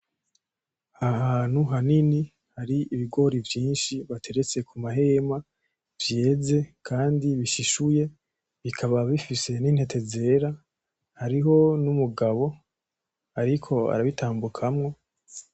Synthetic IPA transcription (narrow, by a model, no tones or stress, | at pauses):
hahaːn̥huɦanini | haɾiiβiɡo̞ɾivjiːnʃiβatʰe̞ɾe̞t͡se̞kʰumaɦe̞ma | vje̞ːze̞kʰaːndiβiʃiʃuje̞ | βikʰaβaβifise̞niːn̥he̞te̞ze̞ːɾa | haɾiɦo̞numuɡaβo̞ | aɾikʰo̞a̰ɾaβitʰaːmbukʰamŋo̞